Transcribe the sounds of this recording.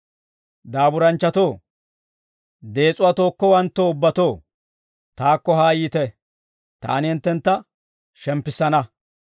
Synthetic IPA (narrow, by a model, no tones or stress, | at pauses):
d̪aːbʊɾɐnt͡ʃːɐt̪o̞ː | d̪e̞ːt͡sʼʊwat̪o̞ːkːɔwɐnt̪ːoːʊbːɐt̪o̞ː | t̪aːkːɔɦaːjiːt̪ɛ | t̪a̰ːnɪhɪnt̪ːɛnt̪ːɐ | ʃɛmpːɪsːɐnɐ